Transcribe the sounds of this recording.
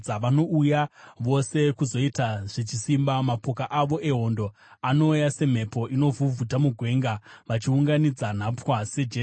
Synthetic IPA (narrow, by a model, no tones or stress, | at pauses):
aʋano̞ujaʋo̞se̞kuzo̞itaʐ̥et͡ʃisimbamapo̞kaʔaʋo̞ʔe̞ɦo̞ndo̞ | ano̞ujase̞m̤e̞po̞ʔino̞vuvʱutamuɡʱwe̞ːŋɡaʋat͡ʃiuŋɡanid͡zan̤apwased͡ʒe